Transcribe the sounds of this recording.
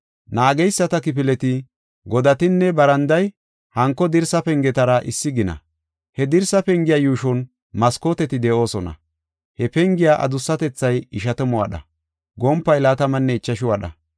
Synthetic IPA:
naːɡɛjsːɐt̪ɐkɪp̬ɪlɛt̪ɪ | ɡɔd̪ɐt̪ɪnːɛbɐɾɐnd̪ɐj | hɐŋkːɔd̪ɪɾsɐpɛŋɡɛt̪ɐɾɐʔɪsːɪɡɪnɐ̰ | hɛd̪ɪɾsɐpɛŋɡɪjajuːʃɔn | mɐskoːt̪ɛt̪ɪd̪ɛʔo̞ːsɔnɐ̰ | hɛpɛŋɡɪjaʔɐ̰d̪ʊsːɐt̪ɛt͡sːɐjɪʃɐt̪ɛmɔwɐ̰ɗɐ̰ | ɡɔmpːɐjlaːt̪ɐmɐnːɛɪt͡ʃːɐʃɪʊwɐɗɐ̰

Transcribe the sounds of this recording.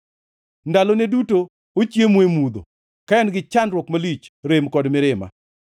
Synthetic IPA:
ndaloneduto | ot͡ʃjemwemud̪o̰ | kaɛnɡɪt͡ʃanɾwɔkmalit͡ʃɾemkɔdmɪɾɪma̰

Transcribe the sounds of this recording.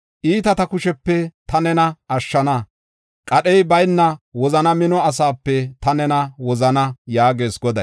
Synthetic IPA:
ʔiːt̪ɐt̪ɐkʊʃɛpːɛt̪ɐnɛnɐʔɐʃːɐnɐ | kʼɐɗɛjbɐjnːɐwɔzɐnɐmɪnɔɐs̬aːpːɛt̪ɐnɛnɐwɔzɐnɐjaːɡe̞ːsɡɔd̪ɐ̰

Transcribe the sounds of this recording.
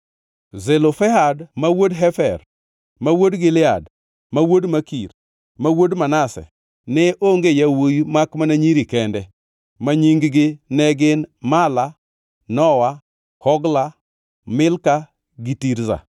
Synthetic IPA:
zɛlofɛɦadmawodɦɛfɛ̰ɾ | mawodɡɪlɪad | mawodmakiɾ | mawodmanasɛ̰ | nɛʔoŋɡejawujmakmanaɲiɾikɛndɛ | maɲiŋɡɡɪnɛɡɪnmala | nɔwa | hɔɡla | mɪlka | ɡitiɾza̰

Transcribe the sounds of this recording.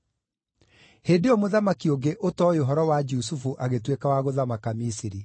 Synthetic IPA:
heːdeɔmoðamakioɡeʔotɔjoɦɔɾɔwad͡ʒus̬ufuʔaɣetwekawaɣoðamakamisiɾi

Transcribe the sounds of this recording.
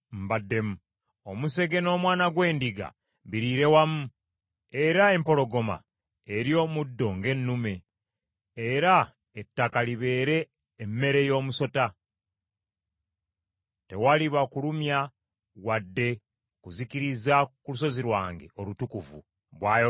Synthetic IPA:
m̩badːe̞mu | omuse̞ɡe̞no̞ːmwaːnaɡwe̞ːndiɡa̰ | βiɾiɾe̞wamu | e̞ɾae̞mpo̞lo̞ɡo̞ma̰ | eɾjo̞ːmudːo̞ŋɡe̞nːume̞ | eɾa | etːakaliβe̞ːɾe̞ː | mːe̞ɾe̞jo̞ːmuso̞ta | te̞waliβakulumja | wadːe̞ | kuzikiɾizakulus̬o̞ziɾwaːŋɡe̞̰o̞lutukuvṵ | βwaːj

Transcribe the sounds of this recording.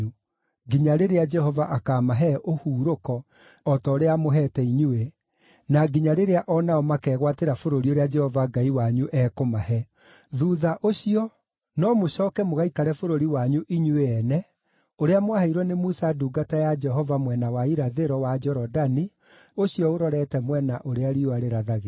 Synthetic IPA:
u | ɡiɲaɾeɾead͡ʒɛhɔvaʔakaːmaɦɛʔohuːɾokɔː | tɔoɾeamoɦɛtɛiɲuwe | naɡiɲaɾeɾeaʔɔnaɔmakɛːɣwateɾafoɾoɾioɾead͡ʒɛhɔvaɡaiwaɲuʔɛːkomaɦɛ | ðuːðaʔoɕiɔ | nɔmoɕɔːkɛmoɣaikaɾɛfoɾoɾiwaɲuʔiɲueɛnɛ | oɾeamwahaiɾwɛnemusaduːɡatajad͡ʒɛɦɔvamwɛnawaiɾaðeɾɔwad͡ʒɔɾɔdani | oɕijɔoɾɔɾɛtɛmwɛnaʔoɾeaɾioaɾeɾaðaɣe

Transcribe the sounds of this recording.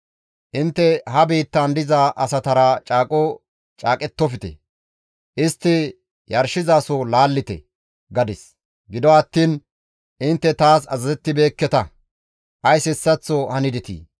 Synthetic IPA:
ʔɪnt̪ːɛɦɐbiːt̪ːand̪ɪzaʔɐsɐt̪ɐɾat͡ʃʼaːkʼɔ | t͡ʃʼaːkʼɛt̪ːɔfɪt̪ɛ̰ | ʔɪst̪ːɪ | jɐɾʃɪzaːsolaːlːɪt̪ɛ̰ | ɡɐd̪ɪs | ɡɪd̪ɔɐt̪ːiːn | ʔɪnt̪ːɛt̪aːsɐzɐzɛt̪ːɪbe̞ːkːɛt̪ɐ | ʔɐjsɪsːɐt͡sːɔhɐnɪd̪ɪt̪ḭː

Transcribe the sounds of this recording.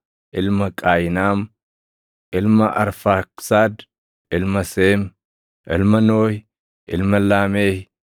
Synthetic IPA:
ʔɪlmɐkʼaːjɪnaːm | ʔɪlmɐʔɐ̰ɾfaːksaːd̪ | ɪlmɐseːm | ʔɪlmɐnoːj | ʔɪ̰lmɐlaːmeːj

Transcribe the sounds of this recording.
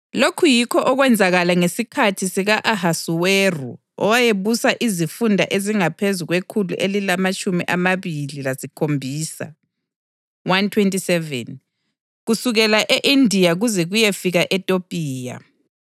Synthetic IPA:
lokʰujikʰɔʔɔɣwɛnd͡zʱaɣalaŋesikʰatʰisiɣaʔahasuwerṵ | ɔ̰wajeβusaʔizifundʱa̰ʔeziŋapʰezuɣwekʰulṵʔelilamat͡ʃʼumiʔamaβililasikʰombʱiːsa̰ | wantʰwentʼisɛvɛ̰n | ɣusuɣɛlaʔeʔindʱijaɣuzɛɣujefiɣaʔɛtʼopʼiːja̰

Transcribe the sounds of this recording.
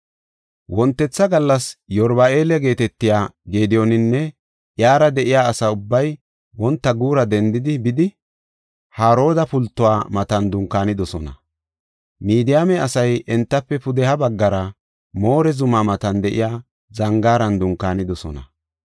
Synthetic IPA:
wɔnt̪ːɛt͡sːɐɡɐlːɐsjɔɾbae̞ːlɛɡe̞ːt̪ɛt̪ːɪjaːɡeːd̪ɪjɔnɪnːɛ | ʔjaːɾɐd̪ɛʔɪjaːsɐʊbːɐj | wɔnt̪ːɐɡuːɾɐd̪ɛnd̪ɪd̪ɪbɪd̪ɪ | haːɾo̞ːd̪ɐpʊlt̪ːʊwaːmɐt̪ɐnd̪ʊŋkːaːnɪd̪ɔsɔnɐ | miːd̪ɪjaːmɛɐsɐjʔɛnt̪ːɐpːɛpʊd̪ɛhɐbɐɡːɐɾɐ | mo̞ːɾɛzʊmamɐt̪ɐnd̪ɛʔɪ̰jaː | zɐŋɡaːɾɐnd̪ʊŋkːaːnɪd̪ɔsɔ̰nɐ̰

